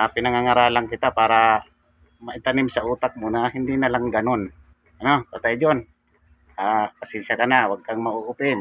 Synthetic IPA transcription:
apɪnaŋaŋaɾaːlaŋkɪt̪apaːɾa | mɐʔɪt̪anɪmsɐʔuːt̪ak̚muːnahɪnd̪ɪnɐlaŋɡɐnon | ʔɐnopat̪ajd͡ʒon | aːpasɛnʃakɐnawaɡ̚kaŋmɐuʔʊpɪn

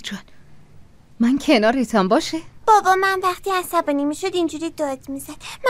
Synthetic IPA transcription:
d͡ʒɒn | mæncʰenɒːɾet̪ʰɒmbɒːʃeb̥ɒːbɒːmænvæχt̪ʰiːæsæbɒːnimiːʃod̪ind͡ʒuɾiːd̪ɒːd̪mizæd̪̥m

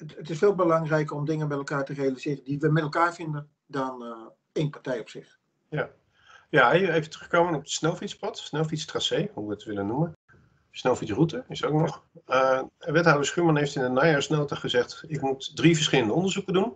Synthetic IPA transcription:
ətɪsfeːlˠbəlɑŋrɛjkərɔmdɪŋənmɛtɛlˠkaːɹtərejalizɪːrəndiʋəmɛtɛlˠkaːɹfɪndən | dɔn | enpaɹtɛjɔpsɪx | ja | jaɛjefətrɵχkowmənɔpəsnolˠfitspɔtsnɛlˠfitstrasejɦuʋətʋɪlənːumən | snowfisrutəɪsowknɔχəʋɛthawdəɹsχymɑnɦejftɪndənajasnowtaχəzɛχtɪkmutdrivəɹsχɪləndəɔ̃ndəɹzukədun

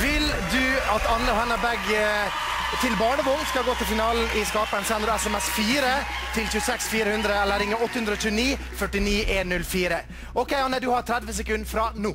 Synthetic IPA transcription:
ʋɪld̪ʉɑt̪ɑnːəɔhɛnːəbɛɡ | t̪ʰɪlbɑːɳəʋoːŋskɑɡoːt̪ɪlfɪnɑːln̩ɪskɑːpənsɛnɾɛsɛmɛsfiːɾət̪ʰɪlçʉːəsɛksfiːɾəhʉnd̪ɾəɛlːəɾɪŋəɔt̪ːəhʉnd̪ɾəɔːɕʉːəniː | fœʈɪniːʔeːnnːʉlːfiːɾə | ʔɔkʰɛɪɑnəd̪ʉhɑɾt̪ʰɾæd̪ʋəsɛkʉnfɾɑnuː

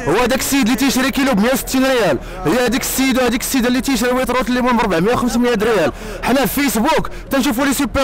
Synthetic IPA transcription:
hʊwːæhd̪æksːəjəd̪lit̪əjʃɾikilubmjæwsə̥t̪ːinɾijæl | həjːæhæd̪ikə̥sːəjəd̪uhæd̪ikə̥sːid̪ælːit̪jʃɾiwit̪ɾˤut̪əlːimumɾˤbaʕmjæwxəmsmjæd̪ɾijæl | ħnæfisbukt̪ænʃufulisupːæ

